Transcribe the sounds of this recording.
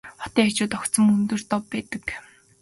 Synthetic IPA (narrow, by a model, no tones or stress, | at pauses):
χɔ̥t̪æːat͡ɕʊːt̪ɔkt̪sɞ̆mɵnt̪ɵ̆r̥t̪ɔpːæːt̪ə̆k